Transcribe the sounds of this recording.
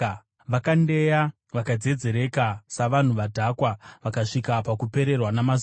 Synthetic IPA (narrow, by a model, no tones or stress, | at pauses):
ʋakande̞ja | ʋakad͡ze̞d͡ze̞ɾe̞kasaʋan̤uʋadʱakwaʋakaʂikapakupe̞ɾe̞rwanamaz